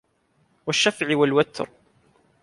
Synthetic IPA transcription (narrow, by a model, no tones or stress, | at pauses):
waʃːafʕɪwalwat̪ɾ